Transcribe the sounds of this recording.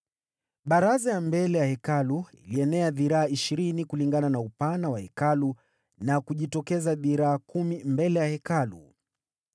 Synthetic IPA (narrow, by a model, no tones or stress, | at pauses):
ɓaɾazajambɛlɛjahɛkaluḭliɛnɛaðiɾaːiʃiɾinikuliŋɡananaupanawahɛkalu | nakuʄitɔkɛzaviɾaːkumimbɛlɛjahɛkalṵ